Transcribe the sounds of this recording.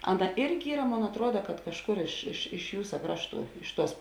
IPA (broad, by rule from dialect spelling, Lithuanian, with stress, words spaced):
ˈɑːˌnɐ ˈɪrʲɡʲɪ ˈiːrɐ ˈmoːn ɐtˈruɔdɐ kɐt kɐʃˈkʊr ɪʃ ɪʃ ɪʃ ˈjuːsɐ ˈkrɑːʃˌtuː ˈɪʃ ˌtuɔs